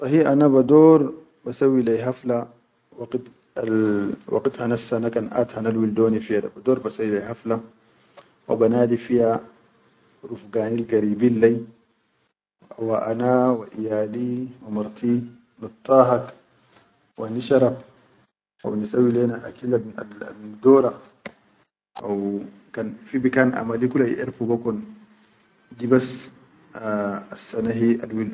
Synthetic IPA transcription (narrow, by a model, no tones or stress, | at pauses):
t̪ˤɑɦiʔanabad̪oːɾˤ | basawːilejɦafla | waqit̪ | awa̰qit̪hanafsanakanʔa̰ːt̪hanalwild̪oːnifijad̪a̰bad̪oːɾbasawːilejhafla | wa̰banaːdifija | ɾufɡaːnilɡaɾiːbiːnːaj | awaʔanawaʔijaːliwamaɾt̪ʰi | nit̪ˤːɑɦak | wʔaniʃaɾab | ʔa̰wnisawilɛːnaʔa̰kilaa̰dɔɾa | ʔaw | kanfibikanʔa̰malikulaj̰ʔḛɾfubakɔn | dibas | asːanaɦia̰lwil